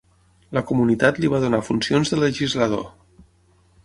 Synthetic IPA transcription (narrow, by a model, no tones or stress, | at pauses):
ləkumunit̪at̪liβað̞unafunsionzðələʒizləðo̰